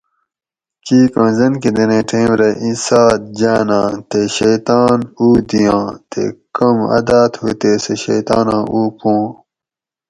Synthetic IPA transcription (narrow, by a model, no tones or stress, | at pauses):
kiːkɐ̃ːzɐnkid̪ɐnẽːʈʰẽːmɾɐʔĩsaːd̪̚d͡ʑaːnãːt̪eɕejt̪aːnuːd̪ijãːt̪ḛkɐmɐ̰d̪aːt̪hut̪eːseɕɐ̰jt̪a̰ːnãːʔuːpõː